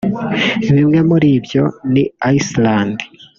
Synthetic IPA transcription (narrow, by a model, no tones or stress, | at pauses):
eβimŋe̞muɾiβjo̞niaislaːndi